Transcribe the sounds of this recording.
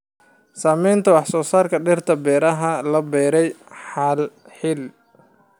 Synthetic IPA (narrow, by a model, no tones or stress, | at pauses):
saːmɛjnt̪ʰɐwɑħsɔːsaːrkʰɐɖɪrt̪ʰɐbɛːɾɐɦɐlɐbɛːɾɛjħaːl | ħɪl